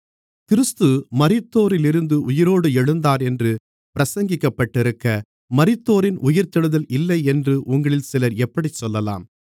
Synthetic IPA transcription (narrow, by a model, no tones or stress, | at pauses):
kɪɾɯst̪ɯmɐɾɪt̪ːoːɾɪlɪɾɯnd̪ɯʔʊjɪɾoːɽɯɛɻɯnd̪aːɾɛndrɯ | pɪɾɐsɐŋɡɪkːɐpːɐʈːɪɾɯkːɐ | mɐɾɪt̪ːoːɾɪnʔʊjɪɾt̪ːɪɽɯðɐlʔɪlːɐɪɛndrɯʔʊŋɡɐɭɪlsɪlɐɾɛpːɐɽit͡ʃːɔlːɐla̰ːm